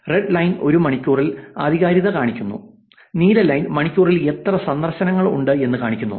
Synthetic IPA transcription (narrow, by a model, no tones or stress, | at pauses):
reɖlɐjno̞ɾumɐɳikʲːuːrila̰ːd̪ʱiɣaːɾjiðɐkaːɳikʲːunːṵ | niːlɐlɐjnmɐɳikʲːuːrile̞t̪rɐsɐnd̪ɐrɕɐnɐŋːɐɭṵɳɖɨe̞nːɨkaːɳikʲːunːṵ